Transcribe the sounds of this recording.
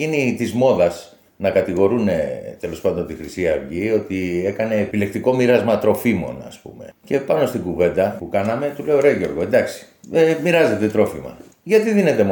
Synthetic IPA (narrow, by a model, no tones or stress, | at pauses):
init̪izmo̞ðɐs | nɐkɐt̪iɣo̞ɾune̞t̪e̞lo̞spɐnd̪o̞nt̪ixɾisiɐvʝio̞t̪ie̞kɐne̞ːpile̞k̚t̪iko̞miɾɐzmɐt̪ɾo̞fimo̞̰nɐ̰spṵme̞̰ce̞pɐno̞st̪iɡuve̞nd̪ɐpukɐnɐme̞t̪ule̞oɾe̞ʝo̞ɾɣo̞end̪ɐksi̥ | emiɾɐze̞t̪e̞t̪ɾo̞fimɐ̰ | ʝɐt̪iðine̞t̪e̞m